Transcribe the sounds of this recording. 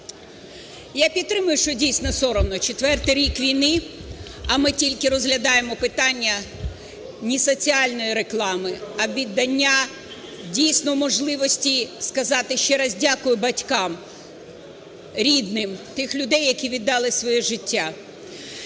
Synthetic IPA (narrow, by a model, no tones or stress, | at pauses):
japʲidt̪ːɾɪmʊjʊʃt͡ʃɔdʲijsʲnɔsɔɾɔnɔt͡ʃet̪ʋɛrt̪ɪjɾʲikʋʲijnɪ | ɐmɪtʲilʲkɪɾɔzɦlʲɐd̪ɑjemɔpɪt̪ɑnʲːɐ | nʲisɔt͡sʲiɑlʲnɔjiɾe̞klˠɑmɪɐʋʲid̪ːɐnʲːa | dʲijsʲnɔwmɔʒlˠɪʋɔsʲtʲiskɐzɑt̪ɪʃt͡ʃɛɾɐzʲdʲakʊjʊbɐtʲkɑm | ɾʲid̪nɪmt̪ɪxlʲʊd̪ɛjːɐkʲiʋʲid̪ːɑlˠɪsʋɔjɛʒɪtʲːa